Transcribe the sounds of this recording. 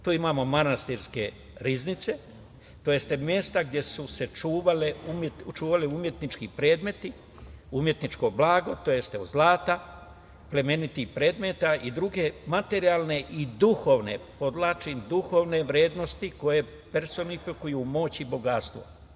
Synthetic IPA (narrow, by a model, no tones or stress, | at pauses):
t̪uːimaːmo̞manast̪iɾske̞ | ɾiznit̪se̞ | t̪o̞je̞st̪e̞mje̞st̪aɡd̪ʲje̞suse̞t͡ʃuːʋaleumet̪t͡ʃuːʋaliumje̞t̪nit͡ʃkipɾe̞ːd̪me̞t̪i | umje̞t̪nit͡ʃko̞blaːɡo̞t̪o̞je̞st̪eozlaːt̪a | ple̞me̞nit̪ixpɾe̞ːd̪me̞t̪aʔid̪ɾuɡe̞mat̪e̞ɾialne̞ʔid̪uxo̞ːʋne̞̰po̞d̪laːt͡ʃind̪uxo̞ːʋne̞ʋɾje̞ːd̪no̞st̪iko̞je̞ | pe̞ɾso̞nifikujumo̞ːt͡ɕibo̞ɡat̪st̪ʋo̞̰